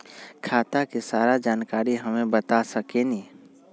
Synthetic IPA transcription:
kʰaːt̪akesaːɾad͡ʒaːnkaːɾiɦɐmẽbət̪asɐkeniː

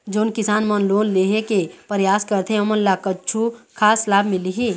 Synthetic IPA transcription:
d͡ʒoːnkɪsaːnmənloːnleːɦekepəɾjaːskəɾt̪ʰẽɐmənlakɐːt͡ʃʰukʰaːslaːbmɪliɦi

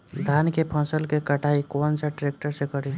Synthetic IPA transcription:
d̪ʱankepʰɔ̃səlkekəʈʰaːikoːnsaʈɾeːk̚ʈəɾsẽkəɾi

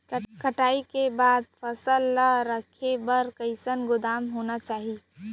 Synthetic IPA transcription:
kəʈaːikebaːd̪̚pʰəsəlːaɾəkʰebəɾkəɪsənɡʊd̪aːmɦonat͡ʃaːɦi

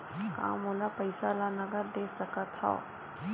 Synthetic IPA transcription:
kã̰ːmoːlapɐɪsalanɐɡəɾd̪eːsɐkat̪ʰa̰

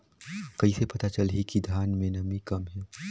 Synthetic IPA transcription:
kɐisepɐt̪at͡ʃɐlɦikid̪ʱjaːnmẽnɐmĩkɐmɦɛː

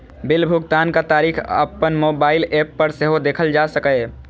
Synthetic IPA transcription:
bɪlbʱʊɡt̪aːnkat̪aːɾiːkʰə̰pːənmoːbaːɪleːpːəɾseɦod̪eːkʰəld͡ʒaːsəkə

